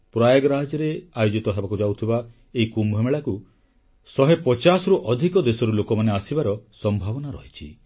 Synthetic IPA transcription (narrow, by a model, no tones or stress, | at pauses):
pɾajaɡɔɾad͡ʒɔɾeajod͡ʒit̪ɔɦebakud͡ʒawt̪ʰiba | eɦikumbʱɔmeɭaku | sɔɦepɔt͡ʃasɔɾuʔɔd̪ʱikɔd̪esɔɾulokɔmaneasibaɾɔsɔmbʱabɔnaɾɔɦit͡ʃʰi